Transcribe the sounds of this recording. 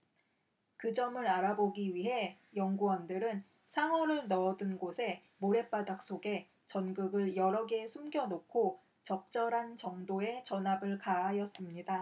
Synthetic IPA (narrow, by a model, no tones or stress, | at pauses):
kɯd͡ʑʌmɯɾaɾaboɡiɥiɦe̞jʌŋɡuʌndɯɾɯn | sʰaŋʌɾɯɭnʌːdɯnɡosʰe̞ | moɾe̞p͈adak̚s͈oɡe̞ | t͡ɕʌnɡɯɡɯɭjʌɾʌɡe̞sʰumɡjʌnokʰo | t͡ɕʌk̚t͡ɕ͈ʌɾant͡ɕʌŋdoe̞t͡ɕʌnɦabɯɭkaɦajʌs͈ɯmɲida